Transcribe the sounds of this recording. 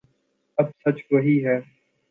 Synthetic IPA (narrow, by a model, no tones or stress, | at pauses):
ɐb̚sɐt͡ʃʋɐɦiːɦɛː